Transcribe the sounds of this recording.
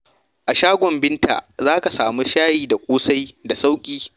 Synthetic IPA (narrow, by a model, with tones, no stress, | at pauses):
ʔa˨ʃaː˦ɡʷɔ˨mbɪ˦nta̰ː˨zaː˦ka˨saː˨mu˦ʃaː˦jiː˨da˨kʷʼoː˦sa˦jda˨sa˦wkʲʼiː˦